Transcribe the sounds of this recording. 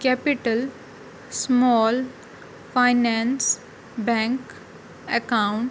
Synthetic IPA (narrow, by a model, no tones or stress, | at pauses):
kɛpɪʈəl | smɔːl | faɪnɛ̃ns | bɛ̃ŋk | ɛkaʊ̃ɳʈ